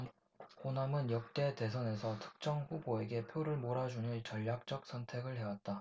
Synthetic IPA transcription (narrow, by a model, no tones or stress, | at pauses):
konamɯnjʌk̚t͈e̞te̞s̬ʰʌne̞sʰʌtʰɯ̥k̚t͡ɕ͈ʌŋɸuboe̞ɡe̞pʰjoɾɯɭmoɾad͡ʑuniɭt͡ɕʌʎːak̚t͡ɕ͈ʌk̚s͈ʰʌntʰe̞ɡɯɭɦe̞wat̚t͈a